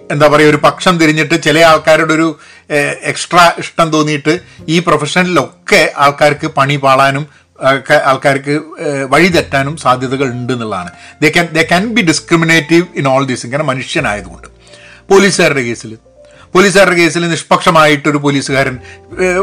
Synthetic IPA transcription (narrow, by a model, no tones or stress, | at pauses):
e̞nd̪aːpɐrɐjːo̞ɾupɐkʂɐmt̪iɾiɲːiʈːɨt͡ɕelɐjaːɭkaːɾuɽeo̞ɾu | eksʈrɐiʂʈɐmt̪o̞ːnːijiʈːɨiːprofeʂɐnɐlilo̞kːe̞aːɭkaːɾkːɨpɐɳipaːɭaːnum | akːeaːɭkaːɾk̬ːɨʋɐɻit̪ɐtːaːnumsaːd̪ʱjɐðɐɣɐɭuɳɖenːilɭːa̰ːɳɨd̪ekɐnd̪eːkɐnbiɖiskrimineːʈːiʋinoːɭd̪isiŋkɐnɐmɐnuʂjɐna̰ːjɐðuɣoɳɖɨ | po̞ːliːsɨɣaːɾɖeke̞ːsil | po̞ːliːs̬ɣaːɾɖeke̞ːsilniʂpɐkʂɐmaːjiʈːo̞ɾup̬o̞liːsuɣaːɾɐn